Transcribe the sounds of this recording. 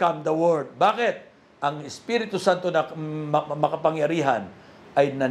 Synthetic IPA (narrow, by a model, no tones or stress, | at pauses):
kamd̪ɐwɛɹd̪̚baːkɪt̪̚ | ʔɐŋɪspiɾɪt̪ʊsant̪onɐ | mɐkɐpɐŋjɐɾiːɦanʔɐjnɐ